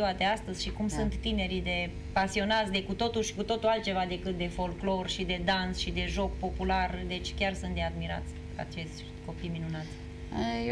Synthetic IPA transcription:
uat̪e̞ast̪əz̥ʲʃikumsunt̪ːine̞ɾid̪e̞ | pasio̞nat̪sʲd̪e̞kut̪o̞t̪uʃi̥kut̪o̞t̪ualt̪̚t͡ʃe̞vad̪e̞kɨt̪̚d̪e̞fo̞lklo̞rʃid̪e̞d̪ansʃid̪e̞ʒo̞k̚po̞pulard̪e̞t͡ʃʲkʲarsunt̪̚d̪e̞ad̪miɾa̰t̪sʲ | a̰t͡ʃe̞sʲ | t̪ko̞pijminunat̪sʲ

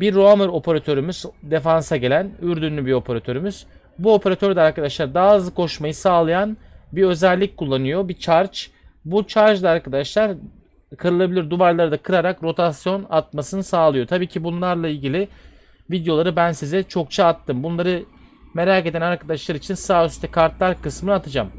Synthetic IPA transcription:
biɾːoamɯɾo̞pʰeɾat̪ʰø̞ɾymyz̥d̪e̞fansaɟe̞lʲænyɾd̪ynlʲybio̞pʰeɾat̪ʰø̞ɾymyz̥ | buo̞pʰeɾat̪ʰøɾd̪ɛaɾkad̪aʃlˠaɾd̪azɯkʰo̞ʃmajɯsaːlˠajan | biø̞zɛlʲːic̚ʲkʰulˠːanɯjobit͡ʃʰaɾt͡ʃ | but͡ʃʰaɾd͡ʒd̪ˠaaɾkʰad̪aʃlˠaɾ | kʰɯɾɯlˠabilʲiɾd̪uvaɾlˠaɾɯd̪akʰɯɾaɾakɾo̞t̪ʰasjo̞nat̪̚masɯnɯsaːlˠɯjo̞t̪ʰabiːcʰibunlˠaɾlˠailʲɟilʲɪ | vid̪jo̞lˠaɾɯbænsizɛt͡ʃʰo̞k̚t͡ʃʰaːt̪ʰːɯmbunlˠaɾɯme̞ɾake̞d̪ænaɾkʰad̪aʃlˠaɾit͡ʃʰinsaːøst̪ʰɛkʰaɾt̪lˠaɾkɯsmɯnɯat̪ʰad͡ʒam

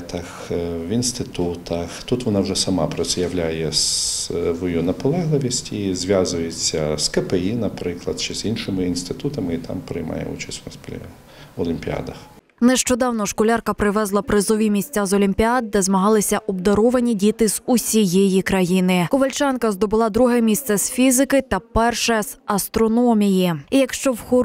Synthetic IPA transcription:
t̪ɐxʋinst̪ɪt̪ut̪ʰɐxt̪ut̪ʋɔnɑwʐɛsɐmɑpɾɔt̪sɛjɐwlʲajɛsʋɔjunɐpɔlˠɛɦlˠɪʋʲisʲtʲizʋʲjazʊjet͡sʲːɐskɛpeinɐpɾɪklˠɐd̪t͡ʃɛz̥inʃɪmɪinst̪ɪt̪ut̪ɐmɪit̪ɑ̰mpɾɪjmɑ̰jɛ̰ṵt͡ʃɐsʲtʲnɐspʲ | ɔlʲˠimʲpʲiɑ̰d̪ɐx | nɛʃt͡ʃɔd̪ɑwnɔʃkɔlʲɑrkɐpɾɪʋɛzlˠɐpɾɪzɔʋʲimʲisʲt͡sʲazɔlʲimʲpʲiɑd̪̚d̪ɛzmɐɦɑlˠɪsʲɐʔɔb̚d̪ɐɾɔʋɐnʲidʲit̪ɪz̥usʲijɛjikɾɐjinɪkʊʋɐlʲt͡ʃɑnkɐzd̪ɔbʊlˠɑd̪ɾuɦɛmʲist̪sɛsfʲizɪkɪt̪ɐpɛrʃɛzɐst̪ɾɔnɔmʲijiijɐkʃt͡ʃɔwxɔ

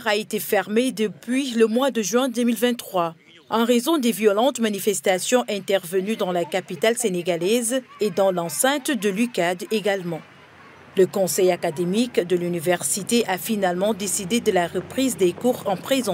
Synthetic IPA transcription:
ʁaet̪efɛʁmed̪əpɥiləmwad̪əʒɥɛ̃d̪ømilvɛ̃t̪ːχwa | ɑ̃ʁezɔ̃d̪evjɔlɑ̃t̪manifɛst̪asjɔ̃ʔɛ̃t̪ɛʁvənyd̪ɑ̃lakapit̪alseneɡalɛzed̪ɑ̃lɑ̃sɛ̃t̪d̪əlykad̪eɡalmɑ̃ | ləkɔ̃sɛjakad̪emikd̪əlynivɛʁsit̪eʔafinalmɑ̃d̪esid̪ed̪əlaʁəpχizd̪ekuʁɑ̃pχezɑ̃

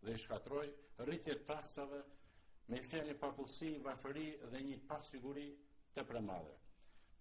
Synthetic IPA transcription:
ðɛiʃkat̪ɾɔjrit̪jɛt̪aksavɛmɛfɛnəpapulsivafəɾiðɛɲəpasiɡuɾi | t̪əpɾɛma̰ðɛ̰

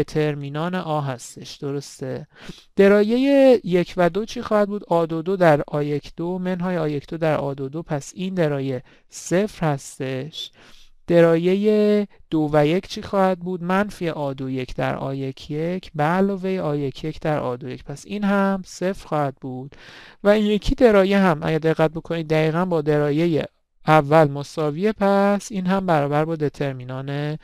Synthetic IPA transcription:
t̪ʰe̞ɾmiːnɒːneʔɒːɦæst̪e̞ʃd̪̥o̞ɾo̞st̪e̞ | d̪̥e̞ɾɒːje̞jejecʰvæd̪o̞t͡ʃʰiːxɒːhæd̪̚buːd̪ʔɒːd̪od̪od̪æɾɒːjecʰd̪̥omenɦɒːjeɒːjecʰd̪̥od̪æɾʔɒ̰ːd̪od̪opʰæsind̪eɾɒːje̞ | se̞fɾhæst̪e̞ʃ | d̪̥eɾɒːje̞jed̪̥ovæje̞cʰt͡ʃʰiːxɒːhæd̪̚buːd̪mænfieʔɒːd̪oje̞cʰd̪æ̰ɾɒ̰ːje̞cʰjecʰbælɒːvejeɒːje̞cʰje̞cʰd̪æɾʔɒ̰ːd̪oje̞cpʰæsiːnhæmse̞fɾ̥xɒːhæd̪̚buːd̪̥væinje̞cʰiːd̪e̞ɾɒːjeɦæmʔæ̰ɟæɾd̪e̞ɣːæt̪̚bokʰo̞nid̪̚ːæiːɣænbɒːd̪e̞ɾɒːje̞jḛ | ævːælmosɒːvie̞pʰæsiːnɦæmbæɾɒːbæɾbɒːd̪e̞t̪ʰe̞ɾminɒːne

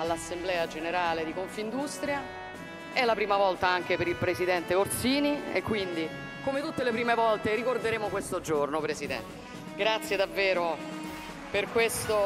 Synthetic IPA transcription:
alːasːemblɛːad͡ʒeneɾaːled̪ikoɱfind̪ust̪ɾja | ɛlːapɾiːmavɔlt̪aaŋk̟epeɾilpɾezid̪ɛnt̪eort̪siːniḛkːwind̪i | komet̪ut̪ːelepɾiːmevɔlt̪eɾikord̪eɾeːmokwest̪od͡ʒornopɾesid̪ɛ̰nt̪e | ɡɾat̪sːjed̪avːeːɾo | perkwest̪o

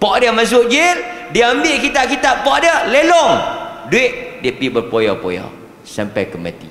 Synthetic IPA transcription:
pɔʔdiəmas̬ʊʔd͡ʒɪldiəambɪʔkit̪aʔkit̪aʔpɔʔdiəlelɔŋduɪʔ̚diəpibərpojawpo̰ja̰w | sampajkəma̰t̪ḭ

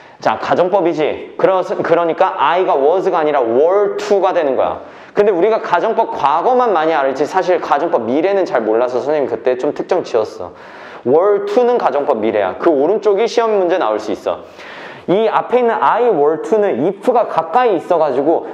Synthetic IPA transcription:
t͡ɕa̰kad͡ʑʌŋp͈ʌbid͡ʑikɯɾʌsʰɯkɯɾʌɲik͈aʔaiɡawʌsɯɡaːɲiɾawʌɭtʰuɡadwe̞nɯnɡʌjo̰ | kɯnde̞uɾiɡakad͡ʑʌŋp͈ʌp̚kwaɡʌmanmaɲiaɾɯɭt͡ɕ͈ʰisʰaɕ̬ʰiɭkad͡ʑʌŋp͈ʌb̚miɾe̞nɯnt͡ɕaɭmoɭːasʰʌsʰʌɲimikɯt͈e̞t͡ɕomtʰɯk̚t͡ɕ͈ʌŋt͡ɕiʌs͈ʌ̰ | wʌɭtʰunɯnkad͡ʑʌŋp͈ʌb̚mːiɾe̞ja̰kɯoɾɯnt͡ɕ͈oɡiɕʰiʌmemund͡ʑe̞na̰uɭs͈uis͈ʌ̰ | iapʰe̞inːɯnʔaiwʌɭtʰunɯnipʰɯɡakak͈aiːs͈ʌɡad͡ʑiɡo

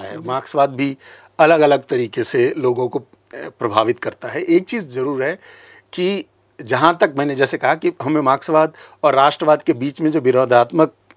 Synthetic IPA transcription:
aɦɛ̰maːksʋaːd̪̚bʱi | ɐləɡɐləɡ̚t̪ɐɾiːkeseloːɡõko | pɾɐbʱaːʋɪt̪kɐɾt̪aɦɛʔeːk̚t͡ʃiːzzɐɾuːɾɦɛ | ki | d͡ʒɐɦãt̪ɐk̚mɛ̃ːned͡ʒɛːsekɐɦakiɦɐmẽmaːksəʋaːd̪ | ɔːɾːaːʃʈɾəʋaːd̪kebiːt͡ʃmẽd͡ʒoːʋɪɾoːd̪ʱaːt̪mək̚

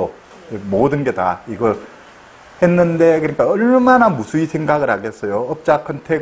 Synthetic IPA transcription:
o | emodɯnɡe̞da̰iɡʌɾ | he̞nːɯnde̞kɯɲik͈aʌɭmanamusʰuisʰe̞ŋɡaɡɯɾɦaɡe̞s͈ʌjoʌp̚t͡ɕ͈akʰantʰe

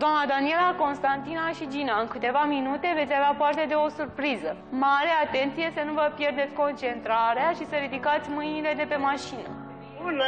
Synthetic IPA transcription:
d̪oamnad̪anie̞lako̞nst̪ant̪inaʃid͡ʒinaɨŋkɨt̪e̞vaminut̪e̞vesʲaveapart̪e̞d̪e̞o̞surpɾizə | maɾe̞at̪e̞nt̪sije̞sənuvəpje̞rd̪e̞t̪sʲko̞nt͡ʃe̞nt̪ɾaɾeaʃisəɾid̪ikat̪sʲmɨjnile̞d̪e̞pe̞maʃinə̰

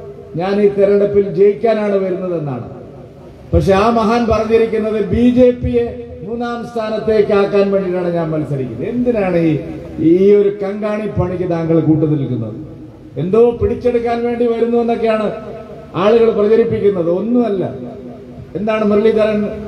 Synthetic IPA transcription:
ɲaːniːt̪eɾɐɖɐpːild͡ʑe̞jikʲːaːnaːɳɨʋɐɾunːɐðe̞nːa̰ːɳɨ̰ | pɐkʂe̞aːmɐɦaːnpɐrɐɲːiɾikʲːunːɐðɨbiːd͡ʑe̞ːpːije | muːnaːmst̪ʰaːnɐt̪ːe̞ːkːɨaːkːaːnʋe̞ːɳɖiʈaːɳɨɲaːnmɐlsɐɾikʲːunːue̞nd̪inaːɳɨi | iːo̞ɾukɐŋɡaːɳipɐɳik̬ʲːɨt̪aːŋɡɐɭkuːʈːuðilikːunːɐ̰ðɨ | e̞nd̪oːoːpiɽit͡ɕːe̞ɽukːaːnʋe̞ːɳɖiʋɐɾunːuʋenːo̞k̬ːe̞jaːɳɨ | aːɭuɣɐɭprɐd͡ʑɐɾipːikʲːunːɐðɨo̞nːumɐlːɐ̰ | e̞nd̪aːɳɨmɐrɭit̪ɐɾɐn

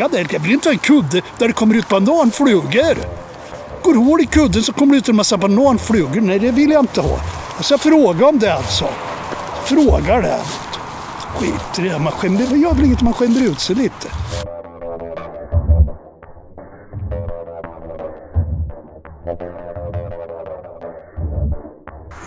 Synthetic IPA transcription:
ad̪ɛɛlt̪jɑvɪlɪnt̪əhɑːɛnkʰɵd̪ːəd̪̥æɖɛkʰɔmːəɾʉ̟ːt̪̚pand̪ɑːnfɽʉːɡəɾ | ɡ̥oːɾhoːɖɪkʰɵd̪ːənsɔkʰɔmːəɖɛʉt̪ʰɛnmasaband̪ɑːnfɽʉːɡənɛjd̪ɛvɪljaɪnt̪əhɑ̰ːjɑsafɾoːɡaɔmd̪ɛalt̪sɔ̰ | fɾoːɡaɖɛ̰a̰nːɔt̪ | ɧḭːt̪əɾɛmanɧɛnəɾvjɑːd̪lɪŋːət̪manɧɛnd̪əɾʉ̟ːt̪sɛjliːt̪ʰə̥

